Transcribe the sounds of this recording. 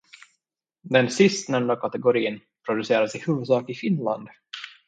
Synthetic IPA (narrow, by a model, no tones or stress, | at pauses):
d̪ɛnsɪst̪nɛmd̪akʰat̪ɛɡʊɾiːənpʰɾʊd̪ɵseːɾasɪhʉːvɵsɑːkɪfɪnla̰nd̪